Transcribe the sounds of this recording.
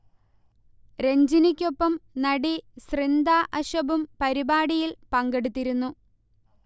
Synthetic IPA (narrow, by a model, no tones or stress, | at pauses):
ɾe̞ɲd͡ʑinikʲːo̞pːɐmnɐɽisrind̪aːʔɐɕɐbumpɐɾibaːɽijilpɐŋɡe̞ɽut̪ːiɾunːu